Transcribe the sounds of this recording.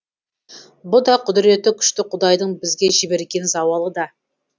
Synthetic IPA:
bʊd̪ɑqʰʊd̪ɪɾe̞t̪ːɪkʲʰʏ̥ʃt̪ɪqʰʊd̪ɑjd̪əɴbɪzɡʲe̞ʒɪbe̞ɾkʲe̞nzɑwɑlˠəd̪ɑ

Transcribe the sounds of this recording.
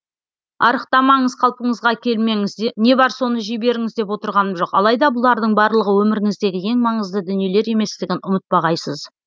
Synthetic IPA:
ɑ̰ɾəqt̪ɑmɑɴəzqʰɑlˠpəɴəzʁɑkʲʰe̞lme̞ŋɪzne̞bɑɾso̞nəʒijbe̞ɾɪŋɪzd̪e̞p̬wo̞t̪əɾʁɑnəmʒo̞qɑ̰lˠɑjd̪ɑbʊlˠɑɾd̪əɴbɑɾlˠəʁəwɵmɪɾɪŋɪzd̪e̞ɡʲɪje̞ŋmɑɴəzd̪əd̪ʏnije̞le̞ɾe̞me̞st̪ɪɡʲɪnʔʊmət̪̚bɑʁɑjsəz

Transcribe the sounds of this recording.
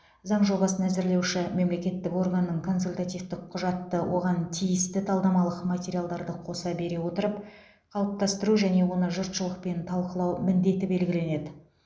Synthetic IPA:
zɑɴʒo̞bɑsənæzɪɾle̞wʃɪme̞mle̞kʲe̞t̪ːɪko̞rɡanːəɴkʰo̞nsulʲt̪at̪ijft̪ɪk̚qʰːʊʒɑt̪ːəwʔo̞̰ʁɑnt̪ʰijɪst̪ɪt̪ʰɑlˠd̪ɑmɑlˠəqmat̪ʲe̞ɾʲijalˠd̪ɑɾd̪əqʰo̞sɑbe̞ɾe̞wo̞t̪əɾəp̚ | qʰɑlˠəp̚t̪ɑst̪əɾuʒæne̞wo̞nəʒʊɾt̪ʃəlˠəq̚pe̞nt̪ʰɑlˠqəlˠɑwmɪnd̪e̞t̪ɪbe̞lɡʲɪle̞ne̞d̪ɪ

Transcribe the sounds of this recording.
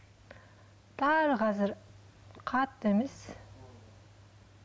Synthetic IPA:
t̪ɑɾʁɑzɪɾ | qʰɑt̪ːemes

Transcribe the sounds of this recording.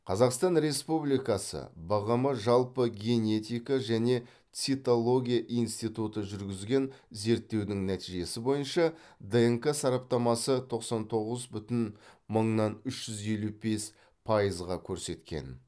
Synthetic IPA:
qʰɑzɑqst̪ɑnɾe̞spublijkɑsə̰bɑʁəməʒɑlˠpəɡʲe̞ne̞t̪ijkɑʒæne̞ | tsit̪olˠo̞ɡʲijaʔijnst̪ijt̪ut̪əʒʏɾɡʲɪzɡʲe̞n | ze̞ɾt̪ːe̞wd̪ɪŋnæt̪iʒe̞sɪbo̞jənʃɑd̪eŋkasɑɾɑp̚t̪ɑmɑsət̪ʰo̞qsɑnt̪ʰo̞ʁəzbʏt̪ɪnməɴnɑnʏʃʒ̥ʏze̞lube̞s | pʰɑjəzʁɑkʲʰɵɾse̞t̪kʲḛn

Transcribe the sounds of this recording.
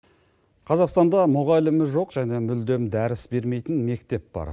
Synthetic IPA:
qʰɑzɑqst̪ɑnd̪ɑmʊʁɑlɪmɪʒo̞qʒ̥æne̞mʏld̪e̞md̪æɾɪsbe̞ɾme̞jt̪ɪnme̞kt̪e̞p̚b̥ɑ̰ɾ

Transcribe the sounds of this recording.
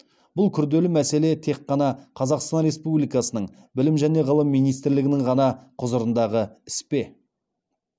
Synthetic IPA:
b̥ʊlˠkʲʰʏɾd̪e̞lɪmæse̞le̞t̪ʰe̞qːɑnɑqʰɑzɑqst̪ɑnɾe̞spublijkɑsənəɴ | bɪlɪmʒæne̞ʁəlˠəmːijnijst̪ɪɾlɪɡʲɪnɪɴʁɑnɑqʰʊzəɾənd̪ɑʁəɪspe̞

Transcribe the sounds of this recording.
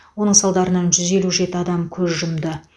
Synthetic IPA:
wo̞nəɴsɑlˠd̪ɑɾənɑnʒʏze̞luʒe̞t̪ɪɑd̪ɑmkʲʰɵzʒʊmd̪ə

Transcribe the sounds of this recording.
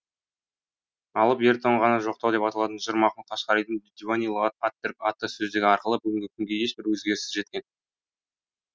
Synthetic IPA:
ɑlˠəpeɾt̪ʰoɴʁɑnɑʒo̞q̚t̪ɑwd̪epɑt̪ɑlˠɑt̪ənʒəɾmɑqəɴq̪ʰɑʃqɑɾijd̪əŋd̪ivanʲijlˠoʁɑt̪ɑt̪ːʏɾkɑt̪ːəsɵzd̪ɪɡʲɪɑɾqəlˠəbʏɡʲɪŋɡʲɪkʲʰʏmɡʲe̞eʃbɪɾwɵzɡʲe̞ɾɪsɪzʒe̞t̪kʲe̞n

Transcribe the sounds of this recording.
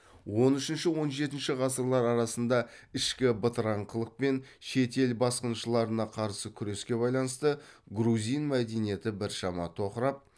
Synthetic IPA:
wo̞nʏʃɪnʃɪwo̞nʒe̞t̪ɪnʃɪʁɑsəɾlˠɑɾɑɾɑsənd̪ɑɪʃkʲɪbət̪əɾɑɴqʰəlˠəq̚pe̞nʃe̞t̪e̞lbɑsqənʃəlˠɑɾənɑqʰɑɾsəkʲʰʏɾe̞skʲe̞βɑjlˠɑnəst̪əɡɾuzʲijnmæd̪enije̞t̪ɪbɪɾʃɑmɑ̰t̪ʰo̞qəɾɑp̚

